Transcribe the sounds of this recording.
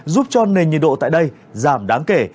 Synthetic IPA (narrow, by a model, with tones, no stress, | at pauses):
zu˦˥p̚t͡ɕɔ˧ne˨˩nɲi˨˩n̚ɗo̰˧˨t̪a̰ː˧˨jɗə˧j | zaː˧˩mɗaː˨˦ŋke˧˩